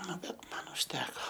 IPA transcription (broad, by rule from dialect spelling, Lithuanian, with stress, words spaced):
ˈnʊ ˈbʲɛt ˈmɐn ʊʃʲˈtʲæːkoː